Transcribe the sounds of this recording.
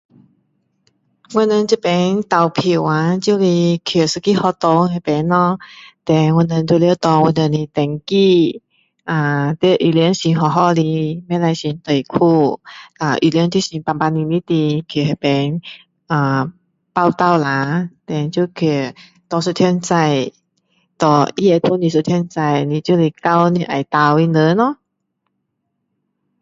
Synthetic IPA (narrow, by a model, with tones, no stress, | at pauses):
wə˧˨nə˧nt͡ɕu˥˧pɛ˨˧˦nt̪a˨˩wpʰi˨˩wa˧˦t͡ɕju˥˧li˧kʰe˨˩sɨ˧ki˥˧hɔ˧t̪o˧˦he˧˩pɛ˨˧˦nɔ˧t̪ɛ˧nwə˧˨nə˧nt̪wljt̪ɔ˧wə˧nə˧nli˧t̪ɛ˨˩ŋki˥˧ | ʔa˨˩t̪ə˧ʔi˨˩ljnɕi˧ɦɔ˧˩ɦɔ˥˧li˧mɛ˧˥˨la˧jɕi˧˦nt̪ə˨˩jkʰu˥˧˩ʔa˨˩ʔi˧˨li˧˦ŋt͡ɕjɕi˧pa˧˩pa˧nĩ˧nĩ˧˦t̪i˧kʰi˨˩ɦa˨˩pɛ˨˧n | ʔa˨˩ | pa˥˧wt̪a˥˧˨wla˧˦t̪ɛ˨˧˩nt͡ɕu˧kʰe˧˩ | t̪ɔ˧su˧t̪ʰjɛ˧nt͡sa˧j | t̪ɔ˧˩ʔi˧˦e˧p̪ʰu˧˦˨nĩ˧˨su˧t̪ʰjnt͡sa˧jnĩ˧t͡ɕu˧˦li˧˩ka˧wnĩ˧ʔa˨˩jt̪a˧wi˧nə˧˦nɔ˧˦